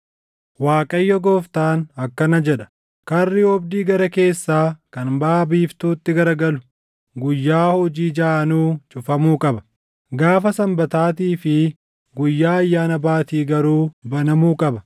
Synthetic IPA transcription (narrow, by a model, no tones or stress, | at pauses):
waːkʼɐjːɔɡoːft̪aːnɐkːɐnɐd͡ʒɛᶑɐ̥ | kɐrːɪɔbd̪iːɡɐɾɐke̞ːsːaːkɐnbaːbiːft̪uːt̪ːɪɡɐɾɡɐlʊ̥ | ɡʊjːaːhɔd͡ʒiːd͡ʒaːʔɐnuːt͡ʃʼʊfɐmuːkʼɐbɐ̥ | ɡaːfɐsɐmbɐt̪aːt̪iːfɪ | ɡʊjːaːɐjːaːnɐbaːt̪iːɡɐɾuːbɐnɐmuːkʼɐbɐ